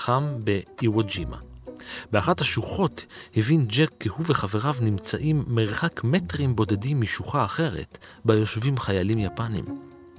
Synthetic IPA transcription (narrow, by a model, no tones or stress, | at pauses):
ambeiwod͡ʒima̰beaχathaʃuχo̞thevind͡ʒekːehuveχave̞ʁavnimt͡saʔimːeʁχakmetʁimbo̞dedimːiʃuχaːχe̞ʁe̞̰tbajo̞ʃvimχajalimjapanḭm